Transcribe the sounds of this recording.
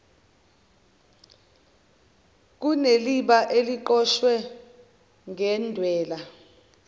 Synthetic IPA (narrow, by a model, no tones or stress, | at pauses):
k̬uneliɓaʔeliǃɔʃwɛ | ŋɛndʱwɛːla